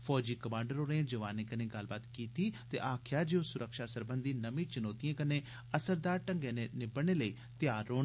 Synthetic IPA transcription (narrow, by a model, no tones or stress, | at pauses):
fʰɔːd͡ʒiːkəmãːɳɖəɾoːnẽːd͡ʒəʋaːnẽːkəneːɡəlbaːt̪kiːt̪iːt̪ḛːʔaːkʰjaːd͡ʒeõsʊɾʔəkʃaːsəɾbənd̪iːnəʋĩːt͡ʃənɔːt̪ijãːkəneː | əsəɾd̪aːɾʈə̃ŋɡẽːnenɪbəɽ̃eːləiː | t̪ɪjaːɾːoːɳ